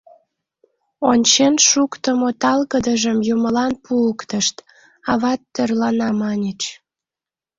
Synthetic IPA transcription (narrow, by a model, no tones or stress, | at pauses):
onʲt͡ɕenʃukt̪əmot̪ɑlɣəd̪əʒəmjuməlɑnpʰuəkt̪əʃt̪ | ɑβɑt̪ːørlɑnɑmɑnʲet͡ɕ